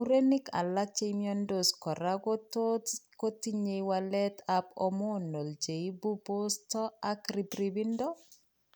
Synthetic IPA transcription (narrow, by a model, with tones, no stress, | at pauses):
uɾe˦ni˦ka̰˨la˦t͡ʃe˦mjɔndo˨skɔ˨ɾa˦ktko˦ti˦ɲe˨walɛ˦t̪apɔ̰mo˦no˨ld͡ʒe˨i˦bu˦bo˦stɔ˦a˦kribɾibindɔ˦